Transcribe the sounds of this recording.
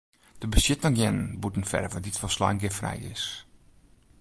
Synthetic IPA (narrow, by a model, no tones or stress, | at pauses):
d̥əbəsjɪtaŋjɛnənbutən̩fɛ̰dəvɔditfɔsla̰jŋɡɪfrɛ̰jɪ̰s